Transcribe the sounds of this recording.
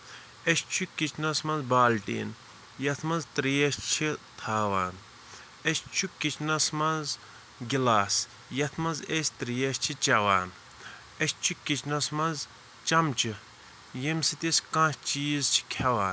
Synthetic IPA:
eʃt͡ʃʰukit͡ʃʰnɐsmɐnzbaːlʈḭːn | jɐt̪ʰmɐnzt̪ɾijɐʃt͡ʃʰit̪ʰaːʋaːn | eʃt͡ʃʰukit͡ʃʰnɐsmɐz | ɡilaːs | jɐt̪ʰmɐnzesʲt̪ɾijɐst͡ʃʰit͡ʃɐwaːn | eʃt͡ʃʰikit͡ʃʰnɐsmɐz | t͡ʃɐmt͡ʃʰi | jemsit̪iskãt͡ʃiːzt͡ʃʰi̥kʲʰɐʋaːn

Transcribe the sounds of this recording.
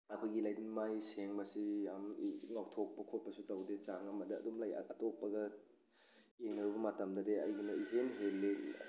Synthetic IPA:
ɐkʰojɡilajdinmajseŋbɐsiamŋawtʰok̚pɐkʰot̚pɐsutɐwdet͡ʃaŋɐmɐdɐ̰ːdumlajɐtok̚pːɐɡɐ | jeŋnɐɾubɐmɐtɐmdɐdeɐjɡinɐiɦenɦelːe

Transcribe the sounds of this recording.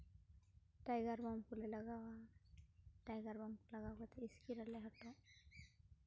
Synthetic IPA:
tajɡaɹbɔmpulɛlaɡawa | tajɡaɹbɔmlaɡawkɔt̪ɛiskiɾalɛɦɔtɔ

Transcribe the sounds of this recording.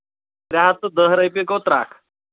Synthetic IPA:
ɾaɦat̪od̪əɦɾəjpekɔt̪ɾa̰kʰ

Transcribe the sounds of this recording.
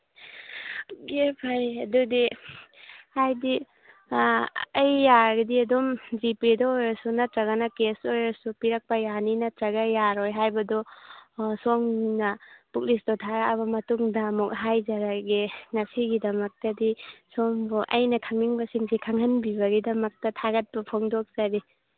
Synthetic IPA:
ɡepʰajɐdudi | hajdi | ɐjːaɡidiɐdumd͡ʒipidaojɾɐsunɐtɾɐɣanɐkesojɾasupiɾɐk̚pɐjaninɐtɾɐɡajaɾojɦajbɐdɔ | soŋnɐpuk̚lisdɔtʰaɡaɐβɐmɐtuŋdɐːmuk̚ɦajzɐɾaɡiŋɐsiɡidɐmɐk̚tɐdisoŋbɔʔɐjnɐkʰaŋmiŋbɐsiŋsʰikʰaŋhɐnbibɐɡidɐmɐk̚tɐtʰaɡɐt̚pɐpʰoŋdɔk̚z̥aɾi

